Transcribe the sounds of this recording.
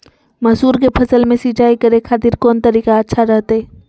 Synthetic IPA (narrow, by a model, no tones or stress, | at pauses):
mɐsuːɾkepʰɐsəlmẽsiːt͡ʃaːikɐɾexʰaːt̪ɪɾkɔːnt̪ɐɾiːkaɐtːʃʰaɾɛɦt̪aɦɛː